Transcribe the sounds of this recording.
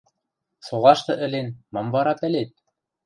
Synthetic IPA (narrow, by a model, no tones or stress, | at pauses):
solˠɑʃt̪ɤ̆ʔɘ̆lenmɑmvɑɾɑpɘ̆let̪̚